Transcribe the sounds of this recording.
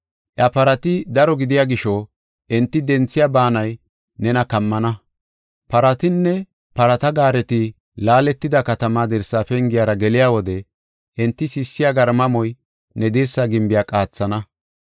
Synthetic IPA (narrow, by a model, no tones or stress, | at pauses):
ʔjɐpɐɾɐt̪ɪd̪ɐɾɔɡɪd̪ɪjaːɡɪʃɔ | ʔɪnt̪ːɪd̪ɛnt͡sːɪjaːbaːnɐj | nɛnɐkɐmːɐnɐ | pɐɾɐt̪ɪnːɛ | pɐɾɐt̪ɐɡaːɾɛt̪ɪ | laːlɛt̪ːɪd̪ɐkɐt̪ɐmaːd̪ɪɾsːaːfɛŋɡɪjaːɾɐɡɛlɪjaːwɔd̪ɛ | ʔɪnt̪ːɪsɪsːɪjaːɡɐɾmɐmɔj | nɛd̪ɪɾsɐɡɪmbɪjaːkʼaːt͡sːɐnɐ